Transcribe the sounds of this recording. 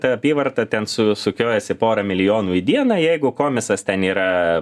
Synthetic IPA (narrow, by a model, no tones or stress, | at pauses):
t̪ɐɐpʲiːʋɐrt̪ɐt̪ʲɛnsʊsʊkʲoːjɛsʲɪpoːɾɐmʲɪlʲɪjoːnuːid̪ʲiɛnɐjɛɪɡʊkoːmʲɪsɐst̪ʲɛniːɾɐ